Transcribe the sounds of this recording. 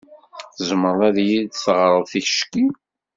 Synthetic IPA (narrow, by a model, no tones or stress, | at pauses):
θəzməɾˤæðjid̪θəʁɾˤəðθiç̥ʃki